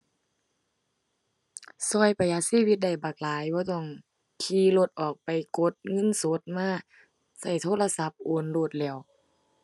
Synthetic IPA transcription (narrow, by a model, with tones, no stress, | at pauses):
sɔ˧˩˨jpa˨jʔa˧˥siː˧˥˨wi˧t̪̚da˧˩jbaː˨˩k̚laː˨˦jbɔː˧˦t̪ɔ˧˩ŋ | kʰiː˧˥lo˧t̪̚ʔɔː˨˩k̚pa˨jko˧˦t̪̚ŋɤ˧˥˨nso˧˦t̪̚maː˧˥˨ | sa˧˩jt̪ʰoː˧˥˨la˧sa˧˦p̚ʔoː˧˨nloː˧˩t̪̚lɛː˧˩˨w